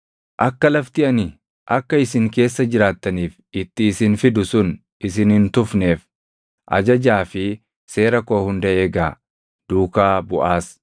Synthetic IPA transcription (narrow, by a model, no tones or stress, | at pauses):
ʔɐkːɐlɐft̪ɪɐnɪ | ʔɐkːɐɪsɪŋke̞ːsːɐd͡ʒɪɾaːt̪ːɐniːf | ʔɪt̪ːɪːsɪnfɪd̪ʊsʊn | ɪs̬ɪnɪnt̪ʊfneːf | ʔɐ̰d͡ʒɐd͡ʒaːfɪ | se̞ːɾɐko̞ːhʊnd̪ɐʔeːɡaː | d̪̥uːkaːbʊʔaːs